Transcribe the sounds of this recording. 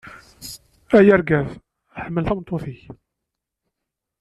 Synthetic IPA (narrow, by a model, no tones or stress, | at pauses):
æjæɾɡæð | ħəmːəlθæmnt̪ˤːoθiç